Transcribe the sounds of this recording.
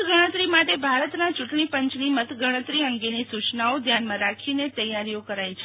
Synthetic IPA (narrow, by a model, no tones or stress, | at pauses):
ɡəɽ̃ə̃t̪ɾimaʈebʱaɾət̪nat͡ʃuʈɳipəɲt͡ʃnimət̪ɡʱəɽ̃ə̃t̪ɾiəŋɡenisut͡ʃnaod̪ʱjanmãɾakʰinet̪əjaɾijokəɾajt͡ʃʰe